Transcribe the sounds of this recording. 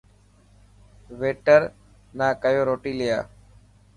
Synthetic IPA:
ʋeːʈəɾ | naːkəjoːɾoːʈiːlɪja̰ː

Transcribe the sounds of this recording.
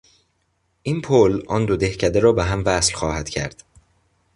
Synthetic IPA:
ʔiːnpʰolʔɒːnd̪od̪e̞hcʰæd̪eɾɒːbeɦæmvæslxɒːhæd̪̥cʰæɾd̪̥

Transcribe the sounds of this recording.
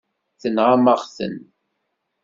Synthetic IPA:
θənʁaməʁθə̰n

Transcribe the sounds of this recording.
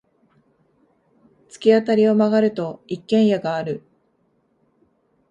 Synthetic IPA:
t͡sɨ̥kʲiat̪aɾʲio̞maɡaɾɯ̟t̪o̞ikːẽ̞ɰ̃jaɡaːɾɯ̟

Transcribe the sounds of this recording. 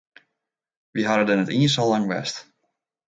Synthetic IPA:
ʋiɦaɾədənətiəns̬ɔlɑŋʋɛ̰st

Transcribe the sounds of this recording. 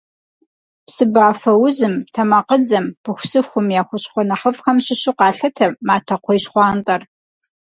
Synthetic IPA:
psɨbaːfɐwʊzɨmtʰɐmɐqəd͡zɐmpɨxʷʊsɨxʷʊmjaːxʷʊt͡ɕʼχʷɔnɐχɐpxɐmɕɪɕɪqɑːɬɐtʰɐmaːtʰɐqʷʰɔjɕχʷɑːntʼɐr

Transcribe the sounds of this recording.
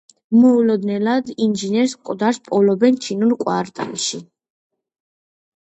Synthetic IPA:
mɔulɔd̪nɛlad̪ind͡ʒinɛɾskʼd̪aɾspʼɔlɔbɛnt͡ʃʰinulkʼwaɾt̪ʼa̰nʃi

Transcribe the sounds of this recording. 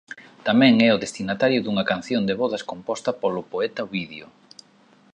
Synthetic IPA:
t̪amɛ̃ŋɛʊðest̪inat̪aɾjʊðuŋɐkan̟θjond̪eβɔðɐskompɔst̪ɐpolʊpoɛt̪ɐoβiðjo

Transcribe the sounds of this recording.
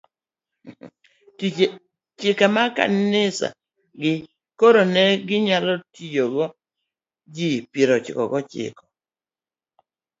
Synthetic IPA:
t͡ʃɪkamaka̰nɪsa̰ | ɡɪ | koɾonɛɡɪɲalɔtid͡ʒoɡɔ | d͡ʒipjeɾot͡ʃɪ̰kɔ̰ɡɔt͡ʃɪ̰kɔ̥

